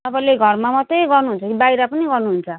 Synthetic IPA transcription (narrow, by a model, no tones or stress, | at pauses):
ʌpʌleɡʱʌrmamʌt̪ejɡʌrnuɦunt͡sʰʌkibaiɾʌpʌniɡʌrnuɦunt͡sʰʌ